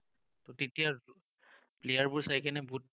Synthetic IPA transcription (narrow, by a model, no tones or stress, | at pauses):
tɔtetija | plejaɹbʊɹsajkɛnɛbut̚